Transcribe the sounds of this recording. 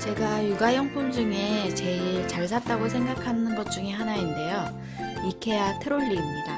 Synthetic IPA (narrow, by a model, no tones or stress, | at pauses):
t͡ɕe̞ɡajuɡajʌŋpʰund͡ʑuŋe̞t͡ɕe̞iɭt͡ɕaɭs̬ʰat̚t͈aɡos̬ʰe̞ŋɡakʰanɯnɡʌt̚t͡ɕ͈uŋeɦanainde̞jo | ikʰe̞jatʰeɾoʎːiːmɲida